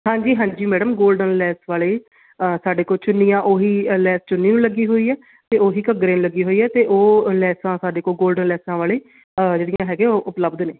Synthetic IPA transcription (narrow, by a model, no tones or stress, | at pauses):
ɦãːɲd͡ʒiːɦãːɲd͡ʒiːmɛːɖəmɡoːlɖənlɛːsʋaːleː | əsaːɖeːkoːlt͡ʃʊnːijãːʔoːɦiːlɛːst͡ʃʊnːiːnũləɡiːɦoːiːɛː | t̪eːoːɦiːkəɡɾẽːñləɡiːɦoːiːɛːt̪eːʔoːlɛːsãːsaːɖeːkoːlɡoːlɖənlɛːsãːʋaːleː | əd͡ʒeːɽɪjãːɦɛːɡẽːoːʔʊpləbd̪neː